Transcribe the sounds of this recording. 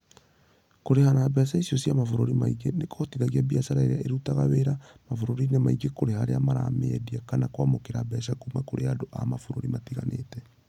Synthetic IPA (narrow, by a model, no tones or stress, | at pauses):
koɾehanabɛsaisiɔsjamafoɾoɾimaiɡenekotiðaɣiabiasaɾaeɾeaʔeɾutaɣaweɾamafoɾoɾinemaiɡekoɾehaɾḛamaɾa̰meɛdiakanakwamokeɾabɛsakumakoɾeadoʔa̰mafoɾoɾimatiɣa̰nḛːtɛ